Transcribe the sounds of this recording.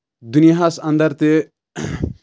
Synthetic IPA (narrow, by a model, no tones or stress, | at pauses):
d̪unijɦasɐ̃nd̪ɐɾt̪e